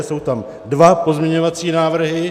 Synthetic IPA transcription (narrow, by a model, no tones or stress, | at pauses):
so̞wt̪am | dvapo̞zmɲɛɲo̞vat͡siːnaːvr̩ɦɪ